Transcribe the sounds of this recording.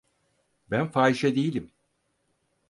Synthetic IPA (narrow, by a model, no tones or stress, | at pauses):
bænfaːiʃɛd̪ejilʲim